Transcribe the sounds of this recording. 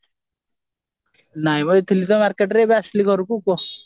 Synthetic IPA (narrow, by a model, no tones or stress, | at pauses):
najmɔt̪ʰilit̪ɔmaɾkeʈɾebaslikʰɔɾukukos